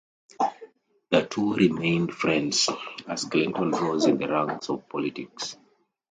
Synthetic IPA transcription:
ðətʰuɹimẽɪ̃ndfɹɛ̃ndzaz̥klĩntɔ̃nɹɔzĩnðəɹãnsɔv̥pʰɔlitiks

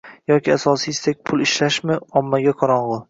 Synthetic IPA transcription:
jɒkʲʰɪasɒsist̪ek̚ʲpʰʊlˠɪʃlaʃmɪɒmːaɡʲaqʰɒɾɒɴʁʊ

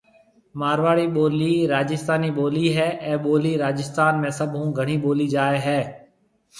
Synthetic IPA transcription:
maːɾʋaːɽiːɓoːliːɾaːd͡ʒɪst̪aːniːɓoːliːɦɛːʔɛ̃ːɓoːliːɾaːd͡ʒɪst̪aːnmẽːsəbʱɦũːɡʱəɽ̤iːɓoːliːd͡ʒaːeːɦɛː

